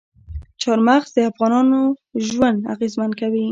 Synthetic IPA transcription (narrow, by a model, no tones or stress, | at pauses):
t͡ʃɑɾmaxzd̪əafɣɑnɑnoʒwand̪a̰ɣezmankawi